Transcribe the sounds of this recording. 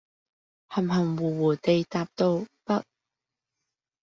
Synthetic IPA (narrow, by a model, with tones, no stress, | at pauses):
hɐ˨˩mɦhɐ˨˩ŋwuː˨˩wuː˨˩t̪e˨˧jt̪aː˨p̚t̪o˧wpɐ˥t̚